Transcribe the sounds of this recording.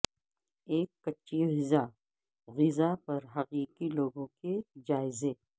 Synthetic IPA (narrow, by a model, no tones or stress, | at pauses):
eːkːɐtːʃiɦɪza | ɣɪzapɐɾɦɐqiːqiloːɡõked͡ʒaːɪze